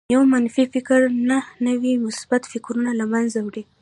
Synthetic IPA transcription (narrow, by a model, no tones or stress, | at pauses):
jawmanfifɪkɾnahnəwimʊsbat̪fɪkɾunalamanzawɽi